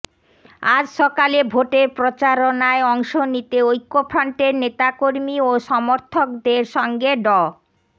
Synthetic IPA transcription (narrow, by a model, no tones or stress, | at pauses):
ad͡ʑʃɔkalebʱoʈeɾpɾot͡ɕaɾonaeɔŋʃonit̪eojkːopʰɾaɳʈeɾnet̪akoɾmioʃɔmoɾt̪ʰokd̪eɾʃɔŋɡeɖɔ